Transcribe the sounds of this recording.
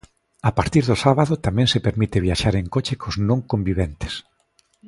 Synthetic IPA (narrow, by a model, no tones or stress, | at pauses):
apaɾt̪iɾðʊsaβaðʊt̪amɛ̃ŋsepeɾmit̪ɪβ̞jaʃaɾeŋkot͡ʃɪkʰoznõŋkõmbiβɛnt̪e̥s